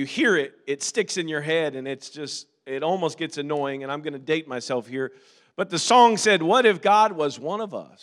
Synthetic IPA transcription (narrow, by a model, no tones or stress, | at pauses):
jɨhiɹɪɾ̚ɪtstɪksɨ̃njə˞ɦɛɾɨ̃nɪtsd̥ʒ̥ʌst | ɪɾɔlˠmoʊst̚ɡ̥ɛtsɨnɔɪɪ̃ŋɨ̃ñãɪ̃mɡʌnɨdeɪt̚maɪsɛlˠfhiɹ | b̥ʌt̪̚ðɨsɔ̃ŋsɛd̚wʌɾɨfɡ̥ɑd̚wʌzwʌ̃nʌvʌ̰s